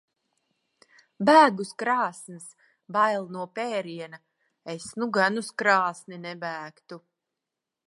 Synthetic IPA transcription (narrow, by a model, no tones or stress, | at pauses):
bæːɡuskɾaːsns | bajlˠnuɔpɛːɾiɛna | esnuɡanuskɾaːsninɛbæːkt̪u